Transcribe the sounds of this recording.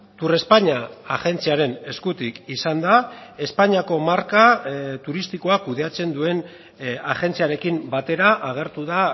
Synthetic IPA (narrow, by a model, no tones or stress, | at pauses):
t̪ure̞spaɲaaɣe̞nt͡siaɾe̞ne̞skut̪ikisand̪ae̞spaɲiako̞maɾkat̪uɾist̪iko̞akuðe̞at͡se̞nd̪ue̞n | aɣe̞nt͡siaɾe̞kimbat̪e̞ɾaʔaɣ̞e̞ɾt̪uða